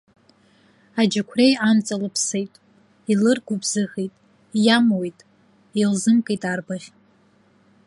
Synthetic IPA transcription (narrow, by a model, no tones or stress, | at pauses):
ad͡ʒɪkʷʰrejant͡sʼalɨpʰsejtʼ | ilɨrɡʷʊbzɨxijtʼ | jamwejtʼ | ilzɨmkʼejtʼarbaʁʲ